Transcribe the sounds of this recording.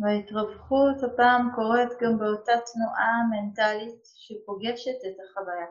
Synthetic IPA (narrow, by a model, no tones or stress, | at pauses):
vaitʁavχuthapaːmko̞ʁe̞t̪ɡambeotatnuʔame̞ntalit | ʃepo̞ɡe̞ʃe̞tet̪aχavaja